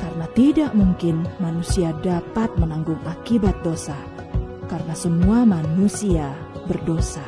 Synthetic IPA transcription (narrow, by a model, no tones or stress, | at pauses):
kaɾənat̪idaʔmuŋkɪnmanusiadapat̪̚mənaŋɡʊŋakibat̪̚dosa | kaɾənasəmuamanusia | bərdosa